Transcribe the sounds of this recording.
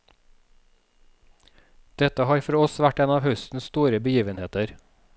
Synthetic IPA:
d̪̥ɛt̪əhɑːɾfɔɾɔsʋæʈeːnɑːʋhœst̪n̩sst̪uːɾəbəjiːʋənheːt̪əɾ

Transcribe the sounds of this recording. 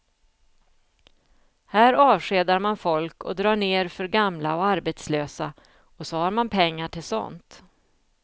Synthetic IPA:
hæːɾɑːvʂeːd̪aɾmanfɔlkɔ̰d̪ɾɑːɳeːɾfœɾɡamlaɔaɾbet̪sløːsa | ɔsɔhaɾmanpʰɛŋːaʈʰɪlsɔ̰nt̪

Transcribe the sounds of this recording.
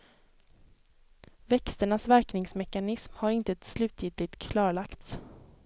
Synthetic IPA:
vɛkst̪əɳasvæɾknɪŋsmɛkanɪsmhaɾɪnt̪əɛt̪slʉ̟ːt̪ʰjɪːd̪lɪt̪kʰlɑːɭakt̪s

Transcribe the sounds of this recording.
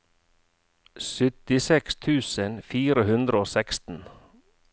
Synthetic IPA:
sʏt̪ɪsɛkst̪ʰʉːsənfiːɾəhʉnd̪ɾəoːsɛkst̪n̩

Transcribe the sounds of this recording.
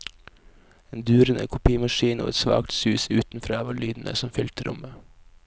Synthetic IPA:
eːnd̪ʉːɾənə̰kʰʊpʰiːəmɑʃiːno̰ːɛ̰t̪sʋɑ̰ːkt̪sʉːsʉːt̪n̩fɾɑːɑʋɑɭyːd̪n̩ʔə̰sɔmfʏlt̪ʰəɾʔʊ̰mə

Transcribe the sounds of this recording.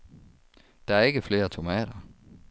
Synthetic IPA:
d̥ɑ̈æɐe̝ɡ̥əfle̝ːɐt͡sʰo̝mɛ̰ːɾɐ

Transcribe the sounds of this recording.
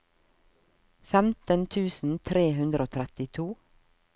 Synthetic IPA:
fɛmt̪ənt̪ʰʉːsn̩t̪ʰɾeːɦʉnd̪ɾʔoːt̪ʰɾɛt̪ɪt̪ʰuː

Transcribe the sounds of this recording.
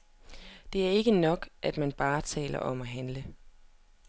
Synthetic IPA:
d̥e̝æɐe̝ɡ̥ənɒ̽ɡ̥ʔæd̥mænb̥ɑ̈ːt͡sʰɛ̰ːlɐ̰ʔɒ̽mæɦænlə

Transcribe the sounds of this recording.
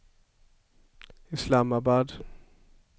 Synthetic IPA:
ʔɪslaːmabad

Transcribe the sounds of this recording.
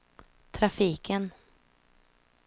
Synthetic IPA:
t̪ʰɾafiːkʰən

